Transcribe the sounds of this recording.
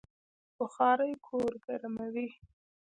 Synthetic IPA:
bʊxɑɾəjkʰoɾɡaɾmawi

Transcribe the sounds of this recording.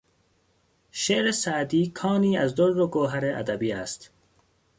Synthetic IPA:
ʃeɾesaːd̪iːkʰɑːniːazd̪oɾːoɡoːɦaɾeʔa̰d̪abiːast̪

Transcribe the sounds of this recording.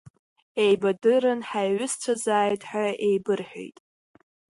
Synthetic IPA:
ejbadɨɾɨnħaɥʷʊst͡ʃʷʰazaːjtʼħaejbɨrħᶣo̰jtʼ

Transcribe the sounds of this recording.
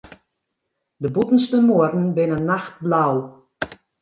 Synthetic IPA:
dəbutən̩stəmoədn̩bɪnənːaxt̚blaw

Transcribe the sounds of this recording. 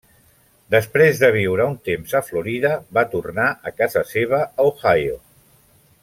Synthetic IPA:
d̪əspɾezðəβ̞iwɾəunt̪emzəfluɾiðəβat̪urnaʔəkazəseβ̞əəoxajo̰

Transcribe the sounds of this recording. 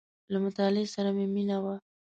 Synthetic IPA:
lamʊt̪ɑlɪesaɾameminawa

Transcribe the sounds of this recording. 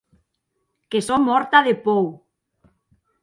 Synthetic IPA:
kesomːɔɾt̪aðepow

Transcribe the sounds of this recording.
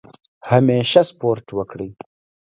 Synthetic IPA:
hameʃaspoɾʈwəkɽi

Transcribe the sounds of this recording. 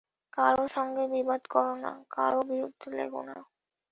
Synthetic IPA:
kaɾoʃɔŋɡebibad̪kɔɾona̰ka̰ɾobiɾud̪ʱːelḛɡo̰na̰

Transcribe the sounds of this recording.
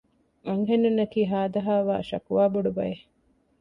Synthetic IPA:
ɐŋɦenːunːɐkiːɦaːd̪ɐɦaːʋa̰ːʃɐ̰kuʋaːbuɖubɐ̰je

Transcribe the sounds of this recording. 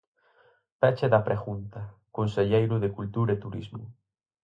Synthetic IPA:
pɛt͡ʃeðɐpɾʔeɣunt̪ɐkonseʎejɾʊðɪkult̪uɾaet̪uɾizmʊ̰

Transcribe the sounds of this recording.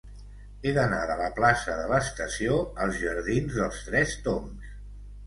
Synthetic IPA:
eðəna̰ðələplasəðələst̪əsioəlˠzʒəɾðinzðəlˠst̪ɾɛst̪oms

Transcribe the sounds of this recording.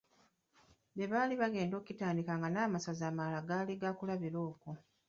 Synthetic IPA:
beβaːliβaɡe̞ːndo̞ːkitaːndikaːŋɡanaːmasazaːmalaɡaːliɡakulaβiɾo̞ːko

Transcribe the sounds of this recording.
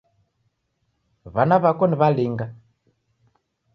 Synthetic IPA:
βanaβakɔniβaliŋɡa

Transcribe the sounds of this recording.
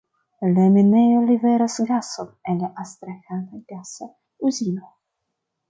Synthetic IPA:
lemenejoliveɾasɡasomenlaʔast̪ɾaxant̪ajɡasa | uzino

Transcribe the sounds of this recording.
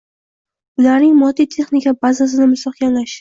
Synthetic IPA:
bʊlaɾnɪŋmɒd̪it̪ʰe̞χnɪkʲabazas̬ɪnɪmʊsɒχkʲanlaʃ

